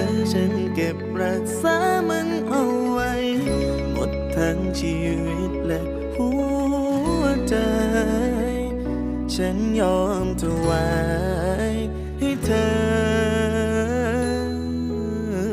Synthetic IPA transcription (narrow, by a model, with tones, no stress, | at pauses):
a˨˧˩t͡ɕʰa˧˦˥nke˨˩p̚ɾa˧˩k̚saː˧˦mɯ˧˥ŋʔa˧˩wwa˧˥j | mo̰˨˩t̪ʰːa˧˥ŋt͡ɕʰiː˧ | wi˧˩t̪̚lɛ˧ʔ | pʰu˧˥˧ | ə˧t͡ɕa˧ | j | t͡ɕʰa˦˥nɲɔː˧˥˩mt̪ʰa˧waː˧˩ | j | ha˧˩jt̪ʰɤː˧